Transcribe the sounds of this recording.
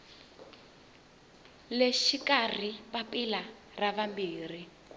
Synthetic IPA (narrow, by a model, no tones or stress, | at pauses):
leʃikar̤ipapila | raβambiːr̤i